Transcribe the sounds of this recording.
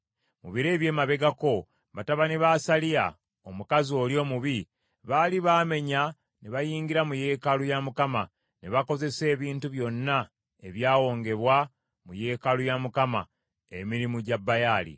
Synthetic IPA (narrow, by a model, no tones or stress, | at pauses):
muβiɾe̞ːβje̞ːmaβe̞ɡako̞ | βataβaneβasalija̰ | omukazio̞ljo̞ːmuβi | βaːliβaːme̞ɲa | neβajiːŋɡiɾamuje̞ːkalujamukama | neβako̞ze̞se̞ːβiːntuβjo̞nːa | e̞βjaːwo̞ːŋɡe̞βwa | muje̞ːkalujamukama | ḛmiɾimuɟabːajaːlḭ